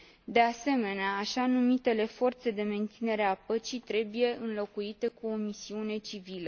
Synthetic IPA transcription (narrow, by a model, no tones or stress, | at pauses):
d̪e̞ase̞me̞neaːʃanumit̪e̞le̞fo̞rt̪se̞d̪e̞me̞nt̪sine̞ɾe̞apət͡ʃit̪ɾe̞buje̞ɨnlo̞kuit̪e̞kuo̞misiune̞t͡ʃivilə